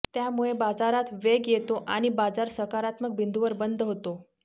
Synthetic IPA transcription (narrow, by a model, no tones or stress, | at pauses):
t̪jamuɭebad͡zaɾat̪ʋeɡjet̪oʔaɽ̃ibad͡zaɾsəkaɾat̪mək̚bind̪uʋəɾbənd̪ʱɦot̪o